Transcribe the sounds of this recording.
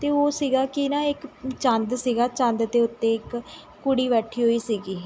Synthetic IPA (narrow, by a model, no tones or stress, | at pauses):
t̪eːoːsiːɡaːkɪnãːɪkt͡ʃə̃nd̪siːɡaːt͡ʃə̃nd̪d̪eːʊt̪ːẽːɪkː | ʊɽiːβɛːʈʰːiːɦoːiːsiːɡiː